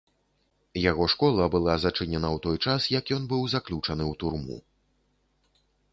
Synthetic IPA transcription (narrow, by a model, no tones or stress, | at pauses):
jaɣɔʂkɔlˠɐbɨlˠazɐt͡ʂɨnʲɛnɐwt̪ɔjt͡ʂasjɐkjɔnbɨwzaklʲut͡ʂɐnɨwt̪urmṵ